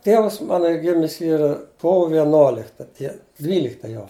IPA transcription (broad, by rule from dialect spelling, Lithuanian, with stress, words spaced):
ˈtʲiɛʋɐs ˈmɑːnoː ˈiː ˈɡʲɪmʲɪs ˈiːrɐ ˈkoːʋoː ʋʲiɛˈnoːlʲɪktɐ ˈdʲiɛ ˈdʲʋʲiːlʲɪktɐ joː